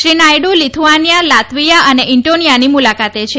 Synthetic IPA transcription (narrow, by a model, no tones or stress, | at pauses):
ʃɾinajɽulit̪ʰuʋanjalat̪ʰʋijaəneʔiɳʈonijanimulakat̪et͡ʃʰe